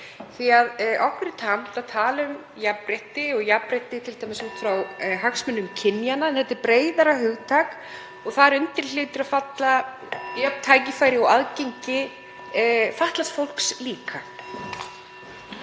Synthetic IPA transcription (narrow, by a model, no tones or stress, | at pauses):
θiaðʔɔhkvʏɾɪt̪ʰamt̪aðt̪ʰaːlʏm | japɾeht̪ɪɔɣjapɾejht̪ɪt̪ʰɪlt̪ajmɪsuːt̪fɾawɦaksmʏnːʏmcʰɪnjanːaɛnθɛht̪ːɪɾpɾeːjðaɾaɦʏɣt̪ʰaːk | ɔɣθaðɾʏnt̪ɪɾlɪːt̪ɪɾaðfat̪la | jœp̪t̪ʰaːjcɪfaːjɾɪɔɣaðcejɲcɪ | faht̪last̪fowl̥ksliːka